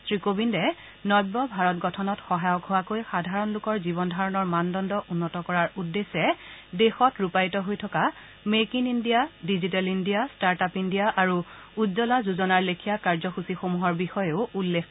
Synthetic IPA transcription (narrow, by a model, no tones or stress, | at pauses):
sɹikobindɛ | nɔjbːɔbʱaɹɔtɡɔtʰɔnɔtxɔɦajɔkɦowakojxadʱaɹɔnlʊkɔɹzibɔndʱaɹɔnɔɹmandɔndɔʔunːɔtɔkɔɹaɹudːesɛdexɔtɹupajtɔɦojtʰɔka | mekinindijadizit̬alindijastaɹtapindijaʔaɹu | uzɔlazuzɔnaɹlekʰijakaɹzɔxusixomuɦɔɹbixɔjeʊulːek